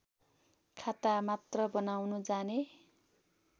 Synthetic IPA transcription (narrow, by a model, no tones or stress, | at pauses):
kʰat̪amat̪rʌbʌnawnud͡zane